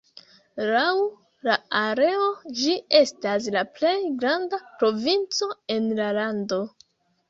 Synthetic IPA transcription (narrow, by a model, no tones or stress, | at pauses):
law | laaɾe̞o̞d͡ʒie̞stas̬laple̞jɡɾandapɾo̞vint͡so̞e̞nlalando̞